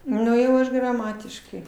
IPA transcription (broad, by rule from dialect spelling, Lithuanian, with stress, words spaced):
ˈnʊ jɛʊ ˈɐʃ ɡrɐˈmɑːtʲɪʃkɐɪ